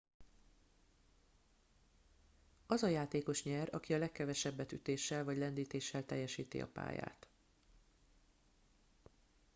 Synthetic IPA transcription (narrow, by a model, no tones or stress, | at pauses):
ɒzɒjaːt̪eːko̞ʃɲɛrɒkiɒlɛkːɛvɛʃɛbːɛt̪yt̪eːʃːɛlvɒɟlɛnd̪iːt̪eːʃːɛlt̪ɛjːɛʃiːt̪ḭɒ̰pa̰ːja̰ːt̪